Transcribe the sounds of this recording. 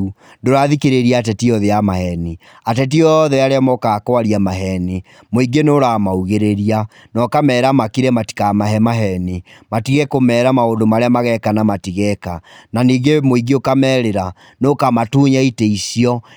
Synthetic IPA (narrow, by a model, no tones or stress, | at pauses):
ndoɾaðikeɾeɾiatɛtiɔðeamahɛne | at̬ɛt̬iɔðɛaɾeamɔkakwaɾiamaɦɛne | moiɡenoɾamauɣeɾeɾia | nɔkamɛːɾamakiɾɛmati̥kamaɦɛmaɦɛnematiɣɛkomɛːɾamaondomaɾeamaɣɛkanamatiɣɛkananiːɡemoiɡeokamɛːɾeɾa | nokamatuːɲaiteisiɔ